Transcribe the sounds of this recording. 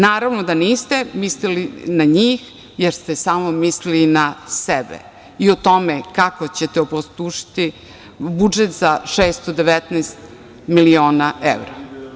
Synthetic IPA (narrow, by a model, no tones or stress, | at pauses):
naːɾaʋnod̪aniːst̪emislilinaɲiːx | jeɾst̪esaːmomislilinasebḛ | iot̪o̞mekakot͡ɕet̪eopost̪uʃi̥t̪i | bud͡ʒet̪zaʃeːst̪od̪eʋet̪nɛːst̪ | milio̞ːnaḛʋɾa